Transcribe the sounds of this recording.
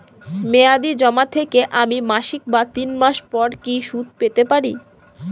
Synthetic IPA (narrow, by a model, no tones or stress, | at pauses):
mead̪id͡ʑɔmat̪ʰekeʔamimaʃik̚bat̪inmaʃpɔɾkiʃud̪̚ʱpet̪epaɾḭ